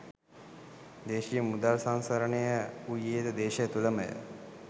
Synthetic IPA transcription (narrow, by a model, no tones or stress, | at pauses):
d̪eːʃijəmud̪alsansɐɾənejəujeːt̪əd̪eːʃəjət̪uləməjə̰